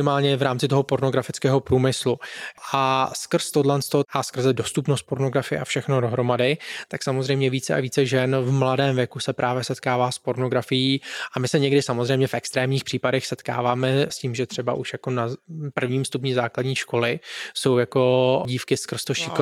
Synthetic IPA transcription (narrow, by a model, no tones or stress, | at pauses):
ɪmaːlɲɛvɾaːmt͡sɪt̪oɦopo̞ɾno̞ɡɾafɪt͡skɛːɦo̞pɾuːmɪsluʔaskr̩st̪odlɛnt͡st̪oʔaskr̩zɛdo̞st̪upnost̪̚po̞ɾnoɡɾafɪjɛ̰ʔafʃɛxnodo̞ɦɾo̞madɪtt̪aksamozrɛjmɲɛviːt͡sɛʔa̰viːt͡sɛʒɛnvmladɛːmvjɛkusɛpɾʔaːvjɛsɛt̪kaːvaːspo̞ɾno̞ɡɾafɪjiːʔamɪsɛɲɛɡdɪsamo̞zrɛjmɲɛfʔɛkst̪ɾɛːmɲiːxpr̥iːpadɛxsɛt̪ka̰ːvaːmɛsciːmʒɛt̪r̝̥ɛba̰ʔuʃjakonapr̩vɲiːmst̪up̬ɲiːzaːkladɲiːʃko̞lɪso̞wjako̞ɟiːfkɪskr̩st̪oʃɪk